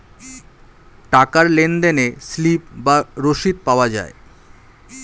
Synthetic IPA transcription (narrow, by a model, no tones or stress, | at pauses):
ʈakaɾlend̪eneslip̚baɾoʃid̪̚paoad͡ʑa̰e